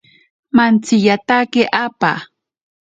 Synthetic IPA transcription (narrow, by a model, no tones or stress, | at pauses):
mant͡sɪjat̪akɪʔapa̰